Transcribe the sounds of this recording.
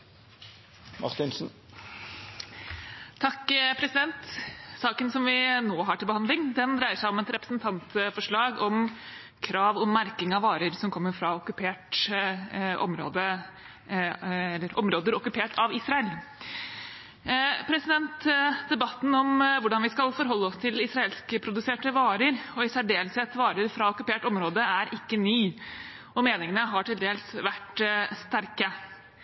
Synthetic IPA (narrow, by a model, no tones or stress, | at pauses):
mʔɑ̰ʁt̪ɪnsn̩ | t̪ʰɑkːpʰɾɛsɪd̪ɛnt̪sɑːkənsɔmʋɪnoːɦɑːʈɪlbəhɑnd̪ɪŋd̪ɛnd̪ɾæɪəʂæɪɔmɛt̪ɾɛpɾə̥snt̪ʰɑnt̪fɔʂɭɑːɡɔm | kʰɾɑːʋɔmːæɾkɪŋɑʋʋɑːɾəɾsɔmkʰɔmːəɾfɾɑɔkʉpʰeːʈ | ʔɔ̰mɾo̰ːd̪ə | ɛlːəɾʔɔmɾoːd̪əɾɔkʉpʰeːʈʰɑʋiːsɾɑɛl | pʰɾɛsɪd̪ɛnt̪d̪ɛbɑt̪ːn̩ɔmʋʊɖɑnʋɪskɑlfɔɾɦɔlːəɔst̪ʰɪlɪsɾɑɛlskəpʰɾʊd̪ʉseːʈəʋɑːɾəɾɔɪsæɖeːlshɛt̪ʋɑːɾəɾfɾɑɔkʉpeːʈɔmɾoːd̪əæɾʔɪkːənyː | ɔmeːnɪŋənəɦɑʈʰɪld̪eːlsʋæʈst̪æɾkə